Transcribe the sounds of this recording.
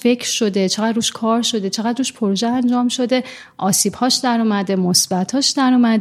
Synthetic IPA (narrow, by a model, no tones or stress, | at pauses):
fe̞cʰɾʃo̞d̪e̞t͡ʃʰe̞ɣæd̪ruːʃkʰɒːɾʃo̞d̪e̞t͡ʃʰe̞ɣæd̪ɾuːʃpʰoɾoʒeænd͡ʒɒːmʃo̞d̪e̞ | ʔɒːsiːb̥hɒːʃd̪æɾuːmæd̪e̞mosb̥æt̪ʰhɒːʃd̪æɾuːmæd̪